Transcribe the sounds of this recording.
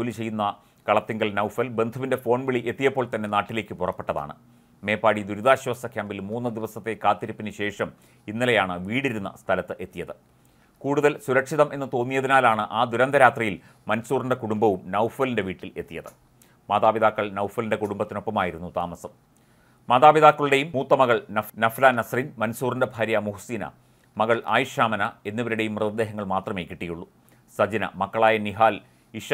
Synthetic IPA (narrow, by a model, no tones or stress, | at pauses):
d͡ʑolit͡ɕe̞jːunːɐ | kɐɭɐt̪ːiŋɡɐɭnɐwfɐlbe̞nd̪ʱɐʋinde̞fo̞ːɳbiɭiʔe̞t̪ːijɐpːo̞ːɭt̪ɐnːe̞naːʈːile̞ːkʲːɨpurɐpːe̞ʈːɐða̰ːɳɨ̰ | me̞ːpːaːɽid̪uɾuðaːɕɐʋɐsɐkʲjaːmbilmuːnːɨd̪iʋɐsɐt̪ːe̞kaːt̪ːiɾipːinɨɕe̞ːʂɐm | inːilejaːɳɨʋiːɽiɾunːɐ̰st̪ʰɐlɐt̪ːɨʔe̞t̪ːijɐðɨ | kuːɽuðɐlsuɾɐkʂiðɐmʔe̞nːɨt̪oːmːijɐðinaːlaːɳɨʔaːd̪uɾɐnd̪ɐɾaːt̪rijil | mɐnsuːrndekuɽumbɐʋumnɐwfʋɐlinde̞ʋiːʈːile̞t̪ːijɐðɨ | maːðaːbiðaːkːɐɭnɐwfʋɐlinde̞kuɽumbɐt̪ːino̞pːɐmaːjiɾunːut̪a̰ːmɐsɐm | maːðaːbiðaːkːɐɭɽe̞jummuːt̪ːɐmɐɣɐɭnɐfnɐflanɐsrinmɐnsuːrindɐbʱaːɾjɐmuɦusiːnɐ̰ | mɐɣɐɭʔa̰ːjuʂaːmɐnɐe̞nːiʋɐɾiɽe̞jumːrɨðɐd̪ːeːɦɐŋːɐɭmaːt̪rɐme̞ːkːiʈːijuɭːu | sɐd͡ʑinɐ̰mɐkːɐɭaːjɐniɦaːl | iʂ